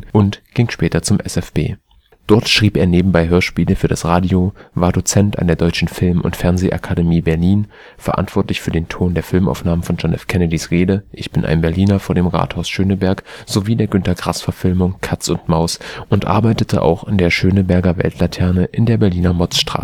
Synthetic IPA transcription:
ʔʊntɡ̥ɪŋʃpɛːtɐt͡sʊmʔɛ̰sɛfb̥ḛː | d̥ɔɐtʃʁ̥iːpeːɐneːbm̩baɪɦøːɐʃpiːləfyːɐɾasʁaːdjiovaːɐdot͡sɛntʔa̰ndeːɐdɔʏt͡ʃn̩fɪlmʊ̰ntfɛɐnzeʔa̰kʰademiːbɛɐliːn | fɛɐʔa̰ntv̥ɔɐtlɪçfyːɐdeːntʰoːndeːɐfɪlmʔa̰ʊfnaːməfɔnd͡ʒɔnʔɛ̰fkʰɛnədisʁeːdəʔɪçb̥ɪnʔa̰ɪnbɛɐliːnɐfoːɐdeːmʁa̰ːthaʊsʃøːnəbɛɐkz̥oviːdeːɐɡʏntɐɡʁasfɛɐfɪlmʊŋkʰat͡sʊntmaʊsʔʊntʔa̰ɐbaɪtətʰə̰ʔa̰ʊxandeːɐʃøːnəbɛɐɡɐvɛ̰ltlatʰɛɐnəʔɪndeːɐbɛɐliːnɐmɔt͡sʃtʁ̥a̰ː

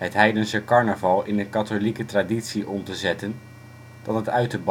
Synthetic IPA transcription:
ɦətɦɛjdənsəkɑɹnəvɑlˠɪnəkɑtolikətraditsiʔɔmtəzɛtən | d̥ɑnɦətœɥtəb

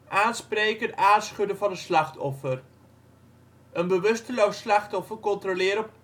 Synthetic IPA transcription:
ʔaːnsprejkəntaːsχɵdəvɑnəslɑχtʰɔfər | ənbəʋɵstəlowslɑχtɔfərkɔntrolɪːɾəp

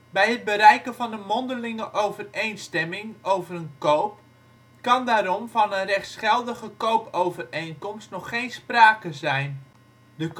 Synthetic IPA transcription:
bɛjət̚bəɾɛjkəvɔndəmɔndəlɪŋəʔowvərejnstɛmɪŋowvərənkowp | kɑndaːɾɔmfɔnənrɛxtsχɛlˠdəɣəkowpowvərejnkɔmstnɔxːejnspraːkəzɛjn | dək

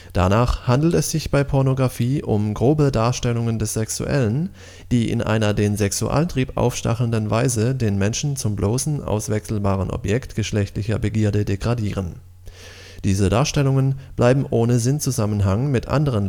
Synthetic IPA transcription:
d̥a̰naːχhandl̩tɛsz̥ɪçb̥aɪpʰɔɐnoɡʁafiːʔʊmɡʁoːbədaːɐʃtɛlʊŋəndɛsz̥ɛksṵʔɛ̰lən | d̥iːʔɪ̰nʔa̰ɪnɐdeːnzɛksuʔa̰ːltʁ̥iːpʔa̰ʊfʃta̰χl̩əndənvaɪzədeːnmɛnʃn̩t͡sʊmbloːsn̩ʔa̰ʊsv̥ɛksl̩baːʁənʔɔ̰pjɛktɡ̥əʃlɛçtlɪçɐ̰bəɡiːɐdədeɡʁadiːʁ̞ən | d̥iːzədaːɐʃtɛlʊŋənb̥lʔaɪbm̩ʔoːnəzɪnt͡suzamənɦaŋmɪtʔa̰ndəʁ̞ən

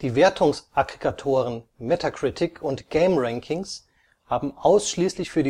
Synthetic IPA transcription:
d̥iːveːɐtʰʊŋsʔaɡʁikʰatʰoːʁənmetʰakʁ̥ɪtʰɪkʰʊntɡ̥eɪmʁɛŋkʰɪŋs | haːbm̩ʔaʊsʃliːslɪçfyːɐdi

